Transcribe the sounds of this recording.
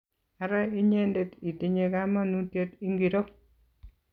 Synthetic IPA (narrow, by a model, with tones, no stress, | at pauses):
a˨ɾa˦i˦ɲe˦nde˨ti˨ti˦ɲe˦ka˦ma˦nu˦tje˦ti˦ŋɡi˨ɾo˦